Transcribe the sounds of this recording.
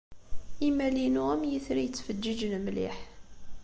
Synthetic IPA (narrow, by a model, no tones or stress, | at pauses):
imælinuæmjəθɾijət͡sːfəd͡ʒːid͡ʒnmlḭħ